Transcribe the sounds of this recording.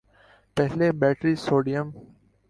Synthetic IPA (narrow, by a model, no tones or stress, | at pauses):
pɛɦlebɛːʈɾisoːɖijəm